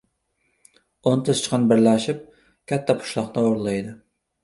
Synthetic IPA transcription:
ont̪ʰɪzt͡ʃʰqʰɑnbɪɾlæʃip̚ | kʲʰɛt̪ʰːɛpʰʊ̥ʃlˠɑqnɨoɾlˠɑjd̪ɨ

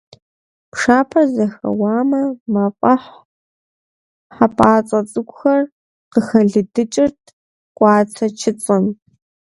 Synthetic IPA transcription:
pʂaːpʰɐzɐxɐ̰waːmɐmafʼɐħ | ħapʼaːt͡sʼɐt͡sʼɨkʷʼʊxɐr | qəxɐɮɨdɨt͡ʃʼɪrtʰ | qʷʼɑːt͡sʰɐt͡ʃʰɪt͡sʼɨm

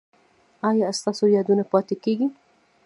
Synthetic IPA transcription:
ɑjɑst̪ɑsojɑd̪unapɑt̪ekeɡi

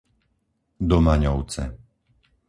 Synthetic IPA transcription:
d̪ɔmaɲɔʊt͡sɛ̰

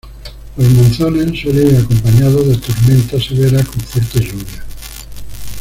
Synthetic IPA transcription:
ozmõnθonensoɾeakompaɲaðoðat̪oɾmẽnt̪aseβeɾakoɱfwɔɾt̪eʒuβja

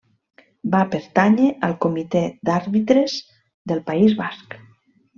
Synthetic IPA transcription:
bapeɾt̪aɲeʔəlˠkomit̪ed̪aɾβit̪ɾez | d̪əlˠpaizβask

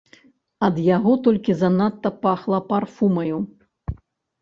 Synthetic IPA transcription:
ɐd̪jaɣɔt̪ɔlʲkʲizɐnat̪ːɐpaxlˠɐparfumɐju

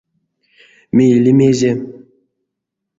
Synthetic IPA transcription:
meilʲimezem

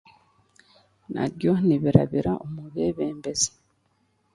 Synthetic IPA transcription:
na̰ɾjoniβiɾa̰βiɾaʔumuβeβeːmbeze̥

